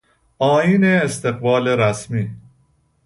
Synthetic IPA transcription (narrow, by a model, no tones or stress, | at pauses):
ɒːjiːneːst̪ʰe̞ɣbɒːleɾæsmiː